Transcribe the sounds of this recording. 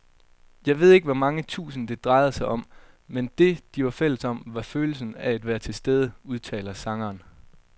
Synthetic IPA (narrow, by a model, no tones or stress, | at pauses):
jɑ̈ɪʋe̝ð̞̰ˠe̝ɡ̥əʋɒmɑ̈ŋət͡sʰṵːsn̩d̥e̝d̥ʁɑ̈ɪð̩ˠsɑ̈ɪɒ̽m | mend̥e̝d̥iʋɑ̈fel̰əsɒ̽mʋɑ̈føːl̩s̬n̩ææd̥ʋæɐ̰t͡sʰe̝sd̥eð̞ˠəuð̞ˠt͡sʰɛ̰ːlɐsɑ̈ŋɐːn